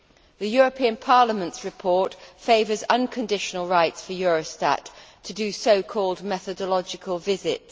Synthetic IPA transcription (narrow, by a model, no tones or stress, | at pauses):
ðəjɔːɹəpʰĩə̃npʰɑːləmə̃ntsɹɪpʰɔˑtfeɪvəzʌ̃nkʰə̃ndɪʃənəlˠɹaɪtsfəjɔːɹəsta̰tʰ | ədəsəʊkʰɔːlˠd̚mɛθədəlɒd͡ʒɪkʰəlˠvɪzɪ̰t